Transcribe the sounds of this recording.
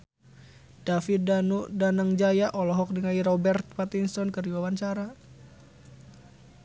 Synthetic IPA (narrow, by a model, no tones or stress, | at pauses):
d̥afit̪̚danudanəŋd͡ʒajaʔɔlɔɦɔk̚dəŋaiɾɔbɛrt̪̚pat̪inst̪ɔnkəriwawant͡ʃaɾa